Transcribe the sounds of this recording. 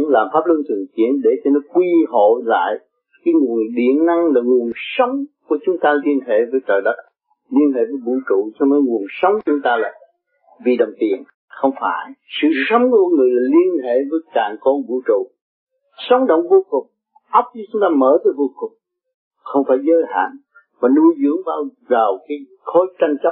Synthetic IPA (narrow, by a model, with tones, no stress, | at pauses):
laː˨˩mfaː˦˥p̚lɨ˧ənt̪ɨ˨˩əŋt͡ɕi˨˦˥ənɗe˧˩t͡ɕɛ˧nɔ˨˦kwi˧ɦo̰˧˨la̰ː˧˨j | kaː˨˦jŋu˨˩əɗḭ˧˨ənna˧ŋlaː˨˩ŋu˨˩ənsə˨˦wŋ͡mku˨˧˩ət͡ɕʊ˨˦ŋ͡mt̪aː˧li˧ənɦḛ˧˨vəː˨˦jtəː˨˩jɗə˦t̚ | li˧ənɦḛ˧˨vəː˨˦jɓṵ˧˥t͡ɕṵ˧˨sɔ˧wnɔ˨˦ŋu˨˩ənsə˨˦wŋ͡mt͡ɕʊ˧˦ŋ͡mt̪aː˧laː˨˩ | vi˨˩ɗə˨˩wŋ͡mt̪ḭ˨ən | xə˧wŋ͡mfa̰ː˧˩jsɨ̰˧˨sə˨˦wŋ͡mkːkŋɨ˨˩əjlaː˨˩li˧ənhḛ˧˨vəː˨˦jkaː˨ŋkɔ˧nɓṵ˧˥˦t͡ɕṵ˧˨ | sə˨˦wŋ͡mɗə̰˧˨wŋ͡mvo˧kʊ˨˩k͡p̚ | ʔə˦˥wk͡p̚t͡ɕɔ˧t͡ɕʊ˦ŋ͡mt̪aː˧məː˧˩vəː˨˦jvo˧kʊ˨˩k͡p̚ | xə˧wŋ͡mfaː˧˩jzəː˨˦jha̰ː˧˨n | vaː˨˩nu˧əjzɨ̰˧˥əŋɓaː˧w | za˨˩wkaː˨˦j | xo˨˦jt͡ɕa˧jŋt͡ɕp̚